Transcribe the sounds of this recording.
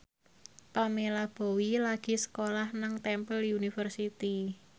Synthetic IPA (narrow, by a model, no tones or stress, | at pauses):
pamelab̥o̤wilaɡ̥i̤sə̥kolahnaŋt̪ɛmpəljunifərsit̪i